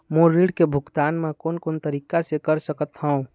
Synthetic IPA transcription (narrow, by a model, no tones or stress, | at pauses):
moɾiɽkebʱukt̪anmekonkont̪əɾikasekəɾsəkət̪ɦəũ